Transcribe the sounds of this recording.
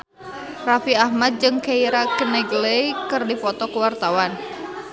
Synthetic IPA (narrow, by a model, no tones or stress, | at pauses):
rafiahmad̪̚d͡ʒɨŋkeiɾakənɛɡəlekɨrdipɔt̪ɔkəwart̪awan